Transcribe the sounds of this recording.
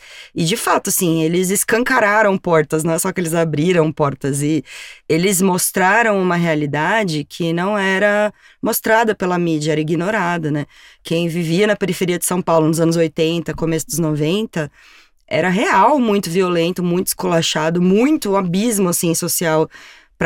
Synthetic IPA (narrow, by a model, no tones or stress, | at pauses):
ɪd͡ʒɪfat̪ʊasĩelɪzɪskɐ̃ŋkaɾaɾɐ̃w̃pɔɾt̪ɐz̬nɐ̃w̃ɛsɔkɪelɪzabɾiɾɐ̃w̃pɔɾt̪ɐzɪelɪzmost̪ɾaɾɐ̃w̃ũmɐɦealid̪ad͡ʒɪkʰɪnɐ̃w̃ɛɾɐ | most̪ɾad̪ɐpelɐmid͡ʒɐɛɾɐiɡinoɾad̪ʊnɛ | kʰẽj̃viviɐnɐpeɾifeɾiɐd͡ʒɪsɐ̃w̃pawlʊnʊzɐ̃nʊzojt̪ẽnt̪ɐkomesʊd̪ʊznovẽnt̪ɐ | ɛ̰ɾɐɦeawmũj̃t̪ʊviolẽnt̪ʊmũj̃t̪ʊɪ̥skolaʃad̪ʊmũj̃t̪ʊabizmʊasĩsosiaw | pɾ